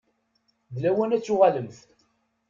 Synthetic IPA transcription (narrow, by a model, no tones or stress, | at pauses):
ðlæwænæt͡sːʊʁaləmθ